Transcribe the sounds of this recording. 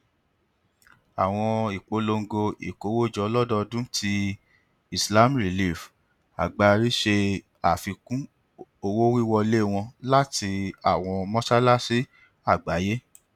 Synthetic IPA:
a˨w̃ɔ̃˧i˨k͡po˨˦lo˧ŋ̩˦ɡo˧ḭ˨ko˨˦wo˦˨d͡ʒɔ˨˦lɔ˦dɔ˦dũ˦tʰi˧ | i˨sla˦mɾi˨li˦˨f | a̰˨ɡ͡ba˧ɾi˦ʃe˧ | a˨fi˧kũ˦ | o˧wo˦wi˦wɔ˧le˦˨w̃ɔ̃˧la˦ti˧a˨w̃ɔ̃˧mɔ̃˦sa˦la˦si˦ | a˦˨ɡ͡ba˨˦je˦

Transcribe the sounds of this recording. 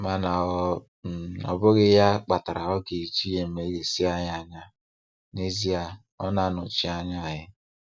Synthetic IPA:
ma˨na˨ɔ˦˨˦ | ɔ̰˨bʊ˦ɣɪ˦ja˦k͡pa˨ta˨ɾa˨ɔ˦ɡe˨i˨t͡ʃi˦je˨m̩˨me˨˦ɡe˨si˦a˨ja˨ɲa˦ | ne˦zi˦a˨ | ɔ˦na˨nʊ˨t͡ʃɪ˨a˨ɲa˦˨ɦɪ˦

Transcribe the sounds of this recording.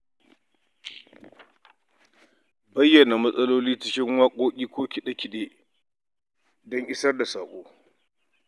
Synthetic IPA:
bɐ˦jːɐ˨na˨mɐ˦sʼɐ˦loː˦liː˦t͡ʃɪ˦kʲɪ˦ŋwaː˦kʷʼoː˦kʲʼiː˦kʷoː˦kʲi˨ɗɐ˦kʲi˨ɗeː˦ | dɔ˦ŋʔɪ˦sɐ˦rda˨saː˨kʷʼoː˦

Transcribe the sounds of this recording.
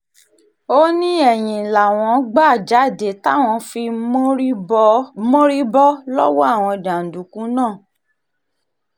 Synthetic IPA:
o˦nĩ˦ɛ˦˨j̃ĩ˨la˨w̃ɔ̃˧˦ɡ͡ba˦˨d͡ʒa˨˦˨de˨ta˦˨w̃ɔ̃˧fi˧˦ | mo˦ɾi˦bɔ˦lɔ˦wɔ˦a˦˨w̃ɔ̃˧dã˨n̩˨du˨kũ˨˦nãː˦˨

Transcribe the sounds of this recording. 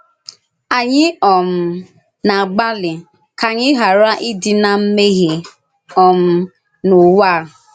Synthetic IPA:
a˨ɲɪ˦ɔ˨m̩˦ | na˨ɡ͡ba˦lɪ˨ | ka˨ɲɪ˦ɦa˨ɾa˦ʔɪ˦dɪ˦na˨m̩˦me˦ɣi˨ | ɔ˨m̩˦ | no˨wa˦˨

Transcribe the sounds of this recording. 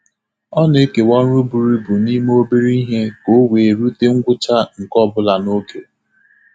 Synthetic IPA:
ɔ˦ne˦ke˨wɔ˦ɾu˦bu˨ɾi˦bu˨ni˦m˦o˦bi˦ɾi˦ɦe˦ko˨˦weː˨ɾu˦te˦ŋ̩˦ɡʷʊ˦t͡ʃa˦ŋ̩˨kɔ˦bʊ˦la˨no˦ke˨

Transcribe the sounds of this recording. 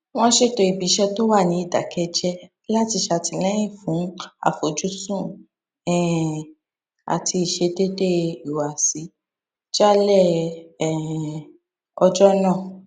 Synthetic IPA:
w̃ɔ̃˦ʃe˦to˧i˨bi˨˦ʃɛ˧to˦wa˦˨nĩ˨˦i˦˨da̰˨kʰɛ˧d͡ʒɛ˦ | la˦ti˧ʃa˧ti˧lɛ˦j̃ĩ˦˨fũ˨˦a̰˦˨fo˨d͡ʒu˦sũ˦˨ | ɛ̃˦˨ | a̰˨tʰi˧i˨ʃe˧de˦de˦i˨wa˨si˨˦ | d͡ʒa˦lɛ˦˨ɛ˨ | ɔ˧d͡ʒɔ˦nãː˦˨

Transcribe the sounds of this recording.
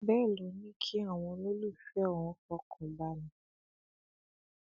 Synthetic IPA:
bɛː˦˨lɔ˨˦nĩ˦kʰi˦a˦˨w̃ɔ̃˧lo˦lu˦˨fɛ˦ɔ̃˦˨ɔ̃˧kɔ˧˦kʰɔ̃˨ba˦lũ˨˦

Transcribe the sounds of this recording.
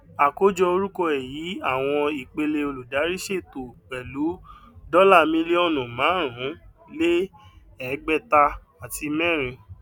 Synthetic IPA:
a˨ko˦d͡ʒɔ˧o˧ɾu˦kɔ˧ɛ˨ji˨˦a˦˨w̃ɔ̃˧i˨k͡pe˧le˧o˧lu˨da˨˦ɾi˦ʃe˦˨to˨k͡pɛ˨lu˨˦dɔ˦la˦˨mĩ˦le˦ɔ˦˨nũ˨mãː˨˦ɾ̃ũ˨˦ | le˦ | ɛ˨˦ɡ͡bɛ˦˨ta˧ | a˨ti˧mɛ̃˦˨ɾ̃ĩ˧

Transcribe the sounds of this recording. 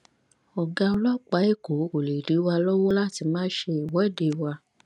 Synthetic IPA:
ɔ˨ɡa˧ɔ˧lɔ˦k͡pa˨˦e˦˨ko˨˦ko˨le˨di˨˦wa˧lɔ˦wɔ˦la˦˨ti˧mãː˦ʃe˧i˨wɔ˨˦˨de˨˧˨wa˧

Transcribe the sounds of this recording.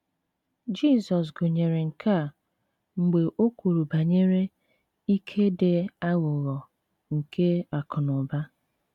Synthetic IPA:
d͡ʒi˦˨sɔ˨s̬ɡʊ˨ɲe˨ɾe˨ŋ̩˨kʰa˦˨ | ŋ͡m̩˨ɡ͡be˨ʔo˦ku˨ɾu˨ba˨ɲe˦ɾe˦ | i˦kʰe˦de˨a˦ɣʊ˨ɣɔ˨ | ŋ̩˨kʰe˦a˨kʰʊ˨nʊ˨ba˦

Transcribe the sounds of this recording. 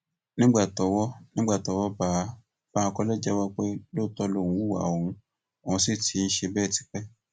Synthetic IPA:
nĩ˦ɡ͡ba˦˨tɔ˨˦wɔ˦nĩ˦ɡ͡ba˦˨tɔ˨˦wɔ˦baː˨˦ | b̥a˦˧kɔ˦lɛ˦˨d͡ʒɛ˦wa˦k͡pe˦lo˦˨tɔ˧lo˦˨ũ˨˦u˦wa̰˨o˨hũ˧ | o˨ũ˧si˦ti˨˦n̩˦ʃe˧bɛː˦˨ti̥˨˦k͡pɛ˦

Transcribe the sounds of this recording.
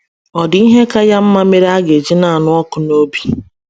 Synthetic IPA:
ɔ˨di˦ɦe˦ka˦ja˦m̩˦ma˦me˦ɾa˦ɡe˨d͡ʒi˦na˨a˨nʊ˦ɔ˦kʊ˨no˦bi˨

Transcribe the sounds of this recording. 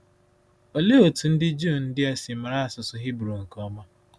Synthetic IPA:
o˨le˦o˨tu˨n̩˦dɪ˦d͡ʒu˦˨nn̩˦dɪ˦a˦si˨ma˨ɾa˦a˨sʊ˨sʊ˦ɦi˦bɾo˨ŋ̩˨kɔ˦ma˦

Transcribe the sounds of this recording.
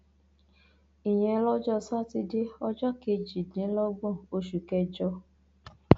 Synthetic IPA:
i˨jɛ̃˧˦lɔ˦d͡ʒɔ˦˨sa˦ti˧de˦ɔ˧d͡ʒɔ˦ke˧d͡ʒi˨dĩ˨˦lɔ˦ɡ͡bɔ̃˦˨o˧ʃu˨kɛ˧d͡ʒɔ˧

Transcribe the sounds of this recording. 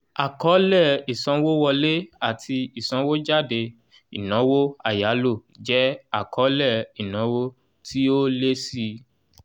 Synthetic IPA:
a˨kɔ˨˦lɛ˦˨i˨sã˧˦wo˦wɔ˧le˦a˦˨tʰi˧i˨sɔ̃˨˦wo˦d͡ʒa˦˨de˧ | i˨nɔ̃˨˦wo˦a˦˨ja˨˦lo˦˨d͡ʒɛ˦a˨kɔ˨˦lɛ˦˨i˨nɔ̃˨˦wo˦ | ti˦o˦le˦si˧

